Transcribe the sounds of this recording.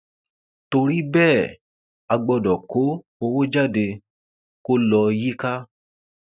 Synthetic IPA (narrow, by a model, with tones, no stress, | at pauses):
to˧ɾi˦bɛː˦˨ | a˧ɡ͡bɔ˧dɔ˨ko˨˦ | o˧wo˦d͡ʒa˦˨de˧ | ko˦lɔ˧ji˦ka˦